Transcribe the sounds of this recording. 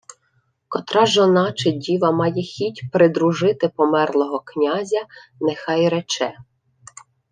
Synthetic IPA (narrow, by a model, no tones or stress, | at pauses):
kɔt̪ɾɑʒɔnɑt͡ʃedʲiʋɐmɑjɛxʲitʲpɾɪd̪ɾuʒɪt̪ɪpɔmɛrlˠɔɦɔknʲazʲɐnexɑjɾɛt͡ʃɛ